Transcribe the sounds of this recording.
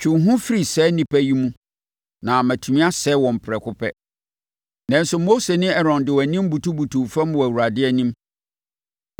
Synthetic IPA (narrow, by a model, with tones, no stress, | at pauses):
t͡ɕʰᶣũ˨ɦũ˦fi˦ɾi˨sɛ˦nĩ˨pʰæ˦ji˦mũ˦ | nã˨mæ̃˨tʰu˨mĩ˦a˦sɛː˦wɔ̃˨m̩˨pʰɾɛ˨kʰʊ˦pʰɛ̰˦ | nɛ̃˦n˦sʊ˨mo˦se˨nɪ̃˦ɛ˦ɾɔ̃˨ndɪ˨wæ˨nĩ˦m˦bu˨tu˦bu˨tʰũ˨fã˦m˨wæ˨wu˨ɾa˨dɪ˦ɛ˦nĩ˦m